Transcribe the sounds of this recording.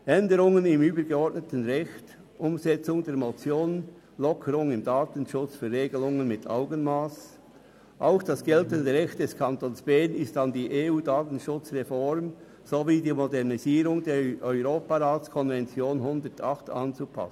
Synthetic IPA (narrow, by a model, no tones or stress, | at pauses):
ʔɛndəɾʊŋənɪmyːbəɾɡɛɔɹtnətən̩ʁɛçt | ʔʊmzɛt͡sʊŋdeːɾmot͡sjoːn | lɔkʰəɾʊŋɪmdaːtən̩ʃʊt͡sfyːɾʁeːɡəlʊŋənmɪtʰa̰ʊɡənmaːs | ʔaʊxd̥ɑsɡ̥ɛltəndəʁɛçt̚d̥ɛskʰɑntoːnsb̥ɛnɪstɑndiːʔeːuːdaːtn̩ʃʊt͡sʁɛfɔɾm | zoviːdiːmɔdɛʁniziːɾʊŋdeːʔœʏʁoːpaɾaːtt͡skʰɔnvɛnt͡sjoːnhʊnd̪ətʰɑχtɑ̰nt͡supʰɑ̰sn̩